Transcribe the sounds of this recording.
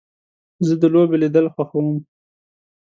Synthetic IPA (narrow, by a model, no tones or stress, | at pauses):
zəd̪əlobelid̪əlxwaxawəm